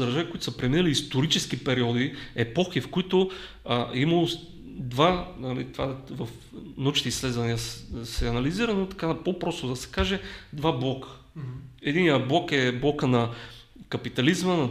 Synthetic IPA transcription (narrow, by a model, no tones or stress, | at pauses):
d̪əɾʒavikoʊit̪ʊ̥səpɾɛminɐliːst̪oɾit͡ʃɛsk̟ipɛɾiɔd̪iɛpɔxifkoit̪o | imɐlˠo | d̪vanɐlḭt̪ovavɐf | nɐut͡ʃit̪isːlɛd̪vɐniɐsɛɐnɐliziɾɐnot̪ɐ̥kapopɾɔst̪od̪ɐsɛ̥kaʒɛd̪vablˠɔkə̥ | ɛd̪inijəblˠɔkɛblˠɔkənɐ | kɐpit̪ɐlizmənɐ